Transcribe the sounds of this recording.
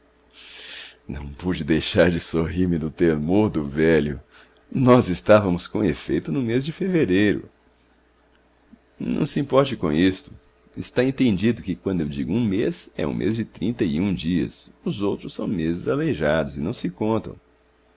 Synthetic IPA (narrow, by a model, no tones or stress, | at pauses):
nɐ̰̃w̃pud͡ʒɪd̪ejʃaɾd͡ʒɪsoɦiɾmɪd̪ʊt̪eɾmoɾd̪ʊvɛlʊ | nɔzɪst̪avɐmʊskõefejt̪ʊnʊmezd͡ʒɪfeveɾejɾʊ̰ | nɐ̰̃w̃sɪĩmpɔɾt͡ʃɪkõ̰ist̪ʊ̥ | ɪst̪aẽnt̪ẽnd͡ʒid̪ʊkɪkwɐ̃d̪ʊewd͡ʒiɡʊũmezɛ̰ṵ̃mʔḛzd͡ʒɪt̪ɾĩnt̪ɐiũd͡ʒiɐ̰sʊzowt̪ɾʊssɐ̰̃w̃mezɪzaleʒad̪ʊzɪnɐ̃w̃sɪkõnt̪ɐ̰̃w̃